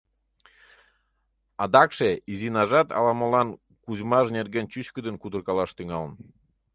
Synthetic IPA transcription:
ɑd̪ɑkʃeizinɑʒɑt̪ɑ̰lɑməlɑn | kuzmɑʒnerɣent͡ɕyt͡ɕkəd̪ənkud̪ə̆rkɑlɑʃt̪yŋɑlə̆n

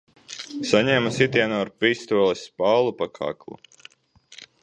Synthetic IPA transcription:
saɲɛːmasit̪ʲiɛnɔːaɾpiːst̪uɔlˠɛspawlˠupakʰa̰ːklˠṵ

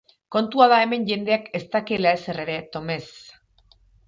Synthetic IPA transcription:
ko̞nt̪uaðae̞me̞ɲʝe̞nd̪e̞ake̞st̪akelaesere̞ɾe̞t̪o̞me̞s

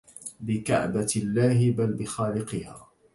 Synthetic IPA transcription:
bɪka̰ʕ̰balːaːɦɪbalbɪxaːlɪqɨha̰ː

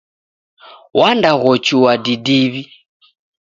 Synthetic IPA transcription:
wʔandaɣɔt͡ʃuwadidiβi

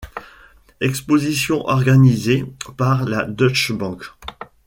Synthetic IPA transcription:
ɛkspozisjɔ̃ʔɔʁɡanizepaʁlad̪ɔt͡ʃbɑ̃k

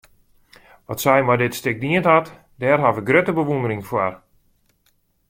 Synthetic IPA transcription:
ʋɔtsɛjmadɪtstɪk̚diənthat | dɛːrɦaʋəɡrøtəbəʋundəɾɪŋfwar

